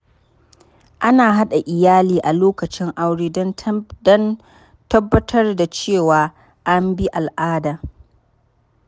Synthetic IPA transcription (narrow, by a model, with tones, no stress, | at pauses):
ʔa˦naː˨ɦa˦ɗa˨ʔɪ˨jaː˦liː˨ʔa˨loː˦kɐ˨t͡ʃɪ˦ŋʔa˦wɽeː˦ndɔ˦n | tɐ˦bːɐ˦tʰɐ˦rda˨t͡ʃeː˦˨waː˨ | ʔa˦mbi˦ʔa˨lʔaː˦daː˨